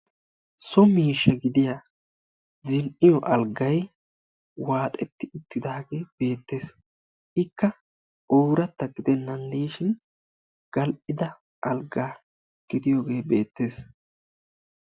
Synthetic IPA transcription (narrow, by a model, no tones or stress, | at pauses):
sɔmiːʃːɐɡɪd̪ɪja | zɪnʔɪjɔʔɐlɡɐj | waːt̪ʼɛt̪ːɪʊt̪ːɪd̪aːɡe̞ːb̥e̞ːt̪ːe̞ːs | ʔɪkːɐ | oːɾɐt̪ːɐɡɪd̪ɛnːɐnd̪iːʃɪn | ɡ̥ɐlʔɪd̪ɐ | ʔɐlɡaː | ɡ̥ɪd̪ɪjoːɡe̞ːbe̞̰ːt̪ːe̞ːs